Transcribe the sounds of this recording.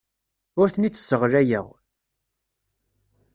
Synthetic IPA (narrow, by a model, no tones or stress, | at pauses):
ʊɾθnit͡sːə̥səʁɾæjəʁ